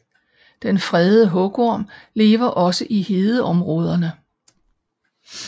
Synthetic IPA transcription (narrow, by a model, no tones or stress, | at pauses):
d̥enfʁɛðˠəɦɔ̽ɡ̥ɒɐ̰mle̝ːʋɐʔɒ̽səʔihe̝ːðˠəʔɒ̽mʁɔ̽ːð̞ˠɐnə